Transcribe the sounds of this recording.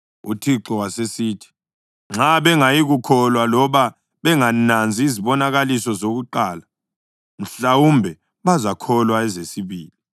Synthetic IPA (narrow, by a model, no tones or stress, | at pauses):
ṵtʰiǁɔwasesiːtʰi̥ | ŋ͡ǁaβɛŋajiɣukʰɔlwalɔβa | βɛŋanand͡zʱiːziβɔnaɣalisɔzoɣuǃaːla | n̩ɬawumbʱɛ | βazakʰɔlwaɛzesiβiːli